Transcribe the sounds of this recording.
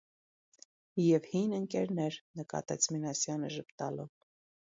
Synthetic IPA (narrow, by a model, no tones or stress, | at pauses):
jɛvhinəŋkɛɾnɛɾnəkɑ̰t̪ɛt͡sʰminɑsjɑnəʒəpt̪ɑlɔv